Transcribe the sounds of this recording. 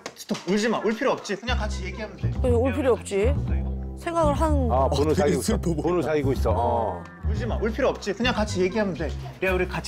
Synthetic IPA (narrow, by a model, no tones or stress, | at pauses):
t͡ɕi̥tʰouɭd͡ʑimauɭpʰiɾiʌp̚t͡ɕ͈ipʰɯɲakat͡ɕʰije̞ɡiɦanɯndetouɭpʰiɾiʌp̚t͡ɕ͈i | sʰeŋɡaɡɯɭɦanɯnaponɯsaɡiɡoponɯsaɡiɡois͈ʌ | uɭd͡ʑimauɭpʰiɾiʌp̚t͡ɕ͈ipʰɯɲakat͡ɕʰije̞ɡiɦanɯnde̞ɾeauɾikat͡ɕʰ